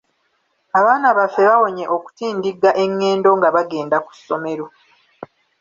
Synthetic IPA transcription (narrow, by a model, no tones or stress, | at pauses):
aβaːnaβafːe̞βawo̞ɲe̞ʔo̞ku̥tiːndiɡaʔe̞ŋːe̞ːndo̞ŋɡaβaɡe̞ːndaku̥sːo̞me̞ɾo̞